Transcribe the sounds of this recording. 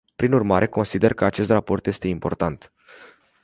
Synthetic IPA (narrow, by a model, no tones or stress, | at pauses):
pɾinurmaɾʔe̞ko̞nsid̪e̞rkəat͡ʃe̞st̪rapo̞rt̪je̞st̪e̞impo̞rt̪ant̪